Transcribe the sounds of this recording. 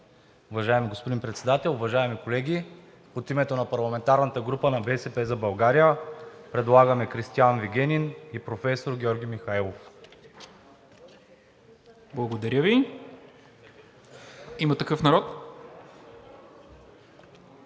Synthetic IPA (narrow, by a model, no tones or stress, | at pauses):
ʊvɐʒaɛmiɡospod̪inpɾɛt̪sɛd̪at̪ɛlˠʊvɐʒaɛmikolɛɡʲi | ot̪imɛt̪onɐpɐɾlˠɐmɛnt̪aɾnət̪əɡɾupənɐbɛsɛpɛzɐbɐlˠɡaɾijəpɾɛd̪lˠaɡəmɛkɾist̪ianviɡʲɛnʲinipɾofɛsoɾɡʲɔɾɡʲimixaɛlˠof | blˠɐɡod̪ɐɾʲəvi | imət̪ɐkɤfnɐɾɔt̪